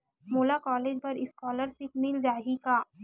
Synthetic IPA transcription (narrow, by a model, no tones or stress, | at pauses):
moːlakɔːleːd͡ʒpɐɾɪskɔːləɾsɪmɪld͡ʒaːɦikaː